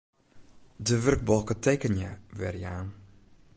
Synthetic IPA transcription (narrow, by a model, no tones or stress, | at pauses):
dəʋørk̚bɔlˠkəteːkənjəʋɛ̰rjaːn